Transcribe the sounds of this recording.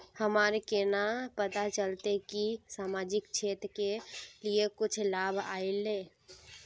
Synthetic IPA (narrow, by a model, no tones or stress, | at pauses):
həmaɾkenapət̪at͡ʃəlt̪ekisaːmad͡ʒɪk̚t͡ʃʰet̪keliekʊt͡ʃʰlabʱa̰ile